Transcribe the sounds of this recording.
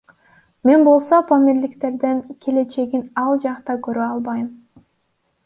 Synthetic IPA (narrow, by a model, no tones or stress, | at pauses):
me̞nbo̞lˠsopʰomiɾlikt̪e̞ɾd̪eŋkʲʰele̞t͡ʃe̞ɡinɑlˠd͡ʒɑqt̪ɑkøɾøɑlˠbɑjɯm